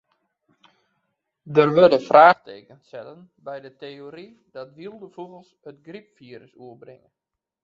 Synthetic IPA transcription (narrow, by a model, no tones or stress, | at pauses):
dərʋødəfrʔaːxtḛːkənsɛtənbɛjdəteːoɾi | dɔtʋilˠdəfuɣəlˠshətɡripfiːɾəsuəbrɪŋən